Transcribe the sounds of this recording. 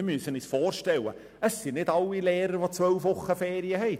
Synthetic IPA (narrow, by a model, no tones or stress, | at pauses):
myəsənisfoːrʃtɛwə̰ | əsːinɪdɑlːileːɾəɾvot͡svœwfvʊχəfeːɾiəɦɛjt